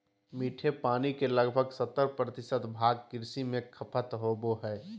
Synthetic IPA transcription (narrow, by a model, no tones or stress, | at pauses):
miːʈʰepaːnikeləɡbʱəɡsət̪ːəɾpɾət̪ɪsət̪bʱaːɡ̚kɪɾsimẽkʰəpʰət̪ɦoboɦɛː